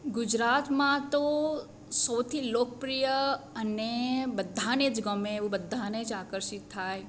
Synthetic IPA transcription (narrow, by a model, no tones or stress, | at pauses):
ɡʊd͡ʒɾat̪mãt̪o | səwt̪ʰilokəpɾijəənebəd̪ʱːaned͡ʒɡəmẽːʋũbəd̪ʱːaned͡ʒakəɾʃɪt̪ʰːaj